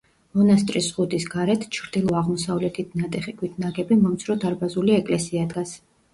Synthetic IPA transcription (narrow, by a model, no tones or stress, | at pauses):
mɔnast̪ʼɾisʁud̪isɡaɾɛt̪ʰt͡ʃʰɾd̪ilˠɔaʁmɔsavlɛt̪ʰit̪̚ʰnat̪ʼɛχikʰwit̪ʰnaɡɛbimɔmt̪sʰɾɔd̪aɾbazuliɛkʼlɛsiad̪ɡas